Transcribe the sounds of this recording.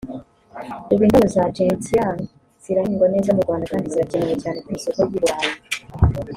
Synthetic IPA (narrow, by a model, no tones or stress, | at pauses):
iβiːnduuzad͡ʒetian | z̥iɾahiːŋɡwane̞ːzamuɾɡwaːndakaːndiziɾacenejecaːne̞kuisokojiɾwaːje